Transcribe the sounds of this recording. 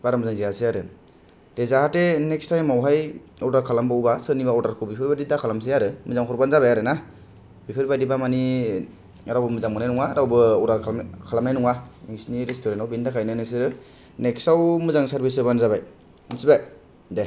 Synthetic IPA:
b̥aɾamɯzaŋzijaseaɾɯ | d̥ezahatenek̚stajmawɦajɔɾdaɾkʰalambawbasɯnibaɔɾdaɾkʰubipʰiɾbadidakʰalams̬iaɾɯmɯzaŋkʰɔɾbanzaβajaɾɯna | bipʰiɾbadibamani | aɾawbɯmɯzaŋmɯnajnuŋaːɾawbɯɔdaɾkʰkʰalamnajnuŋaiŋsniɾestoɾentawbindakʰajnajnɯs̬ɯɾɯ | neksawmɯzaŋsaɾbisɯbanzaβaj | ɯnsibaj | de

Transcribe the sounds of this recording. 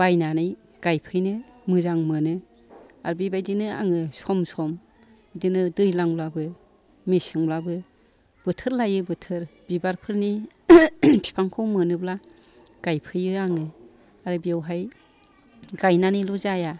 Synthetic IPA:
bajnanɯj | ɡ̥ajpʰɯjnɯmɯzaŋmɯnɯ | aɾbibajdinɯa̰ŋɯsɔmsɔm | bidɯnɯdɯjlaŋblabɯ | misɯŋblabɯ | b̥ɯtʰɯɾlajɯbɯtʰɯɾbibaɾpʰɯɾni | pʰi̥pʰaŋkʰɔwmɯnɯbla | ɡ̥ajpʰɯjɯaŋɯ | aɾɯbiawɦaj | ɡ̥ajnanɯlɔzaja

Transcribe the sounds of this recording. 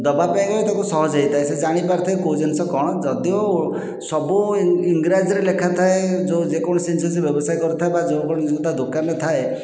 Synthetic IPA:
d̪ɔbapajkɔt̪akusɔɦɔd͡ʒɔɦit̪ʰaesed͡ʒaɽ̃ipaɾt̪ʰaekod͡ʒensɔkɔɽ̃ɔd͡ʒɔd̪io | sɔbuiŋɡɾad͡ʒɔɾelekʰat̪ʰaed͡ʒod͡ʒekɔɽ̃ɔsinsɔsebjɔbɔsajkɔɾut̪ʰaebad͡ʒowkɔɽ̃ɔt̪ad̪okanɔt̪ʰae

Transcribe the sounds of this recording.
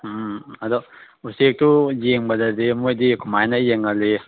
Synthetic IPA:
ɐdɔ | usek̚tujeŋbɐdɐdemojdikʰumajnɐjeŋɐle

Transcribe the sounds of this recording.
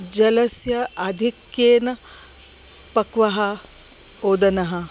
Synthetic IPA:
d͡ʒɐlɐsjɐɐd̪ʱikjeːnɐ | pɐkʋɐɦɐ | oːd̪ɐnɐɦɐ̆

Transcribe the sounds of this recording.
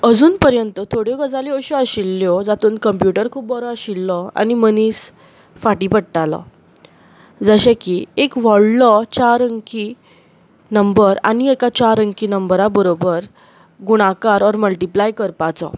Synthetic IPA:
əd͡zuːnpəɾjənt̪ət̪ʰoɽjɔɡəd͡zaliəɕuəɕilːjɔd͡zat̪uːnkəmpjuʈəɾkʰuːp̚bɔɾɔəɕilːɔa̰ñiməniːs | faʈipəɽʈalɔ̰ | d͡zəɕɛ̃kiekʋɔɽlɔt͡ɕaɾəŋki | nəmbəɾa̰ñiekat͡ɕaɾə̃ŋkinəmbɾabəɾobəɾ | ɡuɽ̃akaɾɔɾməlʈiplajkəɾpat͡sɔ̰

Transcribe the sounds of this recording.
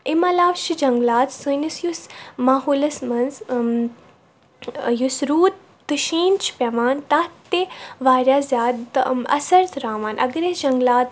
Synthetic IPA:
imɐlaːʋʃʰid͡ʒɐŋɡlaːt̪sunisjusmaːɦuːlɐsmɐnz | jusɾuːt̪̚ːɨʃiːnt͡ʃʰi̥pʲɐmaːnt̪aːt̪ːeʋaːɾʲjaːzʲjaːd̪ɐ̰sɐɾt̪ɾaːmaːnʔɐ̰ɡɾesd͡ʒɐŋɡlaːt̪

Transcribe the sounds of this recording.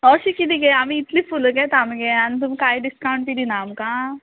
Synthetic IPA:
ɔɕikid̪iɡeamiːt̪lifuləkɛ̃t̪amɡeanit̪umikaiɖiskaw̃ɳʈp̪id̪inaːmka

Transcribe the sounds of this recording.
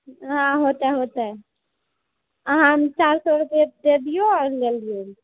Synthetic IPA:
ɦãɦot̪ɛɦot̪ɛ | ɦãmt͡ʃaɾsɔɾbed̪ed̪ijoɔɾleld̪ijo

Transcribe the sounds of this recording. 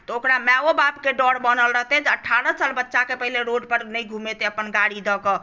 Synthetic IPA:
t̪ɔokɾamɛobapkeɖɔɽbənəlɾəɦt̪ɛd͡ʒəʈʰːaɾə̃salbətːʃakepəɦileɾoɖpəɾnəjɡʱumet̪eəpənɡaɽid̪ɔkɔ

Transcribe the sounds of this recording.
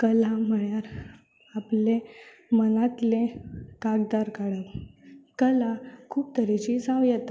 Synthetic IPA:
kəlam̤əɭjaɾ | aple | mənat̪lekaɡ̚d̪aɾkaɽəʋkəlakʰuːp̚t̪ʰəɾet͡ɕisãʋjɛt̪a

